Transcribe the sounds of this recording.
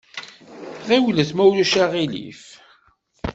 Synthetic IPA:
ʁiwləθmæwluʃaʁilḭf

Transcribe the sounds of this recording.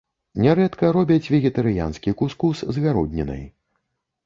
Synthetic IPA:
nʲɛɾɛt̪kɐɾɔbʲɐt͡sʲvʲɛɣʲɛt̪ɐɾɨja̰nskʲikuskuszɣaɾud̪ʲnʲɛnɨ̰j

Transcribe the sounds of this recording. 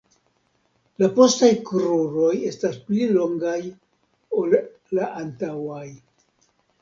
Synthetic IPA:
lapo̞stajkɾuɾo̞je̞stasplilo̞ŋɡaj | o̞lː | aʔantawaj

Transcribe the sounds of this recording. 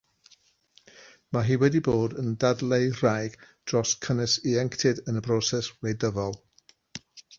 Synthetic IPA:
maɦiːwɛdiboːdəndadlˠejr̥ajɡ̥d̥rɔskʰənɪsiɛŋktʰɪdənəbrɔːsɛslejdəvɔlˠ

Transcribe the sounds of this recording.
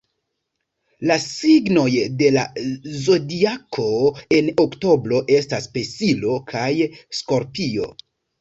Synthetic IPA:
lasiɡno̞jde̞la̰zo̞diakʰo̞e̞nokto̞bɾo̞ʔe̞staspe̞silo̞kʰajsko̞ɾpio̞̰

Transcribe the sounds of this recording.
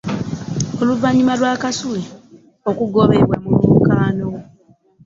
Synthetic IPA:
oluvaɲimalwaːkasule | okuɡoβeβwamulukaːno

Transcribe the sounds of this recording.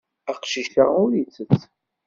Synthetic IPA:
æqʃiʃaʁʊɾjit͡sːət͡sː

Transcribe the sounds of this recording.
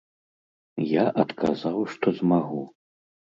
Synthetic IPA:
jaʔɐt̪kʰazawʂt̪ɔzmaɣu

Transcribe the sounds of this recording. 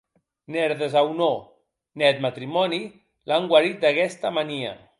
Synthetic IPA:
nɛɾðezawno | nɛt̪mat̪ɾimɔni | laŋɡwaɾit̪̚d̪akɛst̪amaniə̰

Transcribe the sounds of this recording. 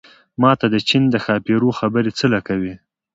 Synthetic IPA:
mɑt̪ad̪ət͡ʃind̪əxɑpiɾoxabəɾet͡səlakawi

